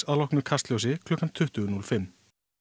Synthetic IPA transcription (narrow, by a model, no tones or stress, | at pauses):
alɔhknʏɾkʰast̪ljowsɪkʰlɔːhkːant̪ʰʏht̪ʏɣʏnulfɪmː